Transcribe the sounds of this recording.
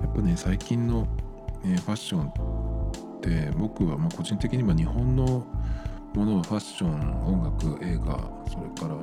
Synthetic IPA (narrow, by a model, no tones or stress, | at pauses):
japːanesaikʲĩnːo̞ | eːɸaɕːõ̞n | t̪e̞bo̞kɯ̟βamako̞ʑĩnt̪e̞kʲiɲ̟imβaɲ̟iɦõ̞nːo̞ | mo̞no̞βaɸaɕõ̞ɴõ̞ŋɡakɯ̟ʔe̞ːɡa̰so̞ɾe̞kaɾa